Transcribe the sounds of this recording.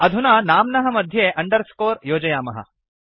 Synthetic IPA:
ɐd̪ʱunaːnaːmnɐɦɐmɐd̪ʱjeːʔɐɳɖɐɾskoːɾjoːd͡ʒɐjaːmɐɦɐ̰

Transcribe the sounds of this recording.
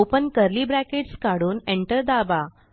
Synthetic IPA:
opənkəɾliːbɾækeʈskaɽuːneɳʈəɾd̪aba

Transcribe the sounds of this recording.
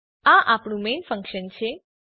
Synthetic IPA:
aʔapɳũmenfə̃ŋkʃənt͡ʃʰe

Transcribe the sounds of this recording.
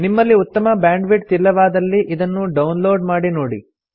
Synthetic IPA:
nimːɐlːiut̪ːɐmɐbjaːɳɖʋiʈ̚t̪ilːɐʋaːd̪ɐlːiʔid̪ɐnːuɖɐwnloːɖmaːɽinoːɽḭ

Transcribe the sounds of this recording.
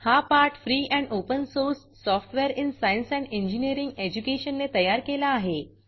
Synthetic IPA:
hapaːɾʈfɾiːɛ̃ːɳɖoːpənsoːɾsːɔːfʈʋeəɾɪnsaːɪnsɛ̃ːɳɖẽɲd͡ʒiniəɾɪ̃ŋɡeːd͡ʑukeːʃənːet̪ɐjaːɾkeːlaːɦeː

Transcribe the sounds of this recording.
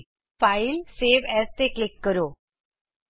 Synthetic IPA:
failseʋɛst̪eklɪkːəɾo

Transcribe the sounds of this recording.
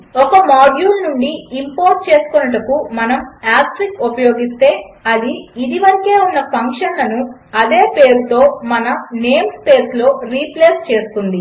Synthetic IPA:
ɔkɐmaːɖjuːlnuɳɖiːmpoːɾʈ̚t͡ʃe̞ːsu̥kɔnɐʈɐkumɐnɐmaːsʈɾikupɐjo̞ːɡist̪e̞ːɐd̪iːd̪iʋɐɾike̞ːunːɐpʰɐŋkʂɐnlɐnu | ɐd̪e̞ːpe̞ːɾut̪o̞ːmɐnɐne̞ːmspe̞ːslo̞ːɾiːpleːst͡ʃe̞ːsu̥kund̪i

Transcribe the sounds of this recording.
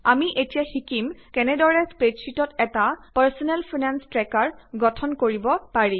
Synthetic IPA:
amiʔetijaxikimkɛnɛdɔɹɛspɹetsitɔtɛtapaɹsɔnɛlpʰinanstɹɛkaɹɡɔtʰɔnkoɹibɔpaɹĩ

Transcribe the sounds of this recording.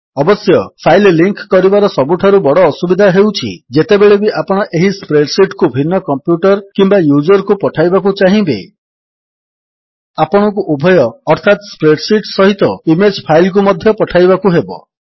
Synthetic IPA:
ɔbɔsjɔpʰajlliŋkkɔɾibaɾɔsɔbuʈʰaɾubɔɽɔːsubid̪ʱaɦewt͡ʃʰḭd͡ʒet̪ebeɭebiʔapɔɽ̃ɔʔeɦispɾeɖsiʈkubʱinːɔkɔmpjuʈɔɾkimbajud͡ʒɔɾkupɔʈʰajbak̬ut͡ʃaɦĩbḛ | apɔɽ̃ɔkuʔubʱɔjɔːɾt̪ʰat̪spɾeɖsiʈsɔɦit̪ɔimed͡ʒpʰajlk̬umɔd̪ʱjɔpɔʈʰajbakuɦebɔ̰

